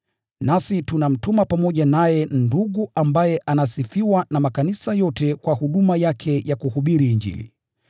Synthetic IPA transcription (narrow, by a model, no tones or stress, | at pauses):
nasitunam̩tumapamɔʄanajɛnduɠuʔambajɛʔanasifiwanamakanisajɔtɛkwahuɗumajakʰɛjakuhuɓiɾiːɲd͡ʒḭlḭ